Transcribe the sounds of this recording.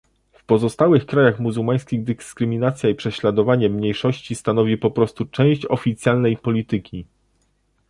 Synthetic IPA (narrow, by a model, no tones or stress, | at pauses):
fpɔzɔst̪awɘxkɾajaxmuzuwmaj̃skʲiɣd̪ɘskɾɘmʲinat̪sʲjaipʂɛɕlad̪ɔvaɲɛmɲejʂɔɕt͡ɕist̪anɔvʲipɔpɾɔst̪ut͡ʂɛ̃w̃ɕt͡ɕɔfʲit̪sʲjalnɛjpɔlʲit̪ɘkʲi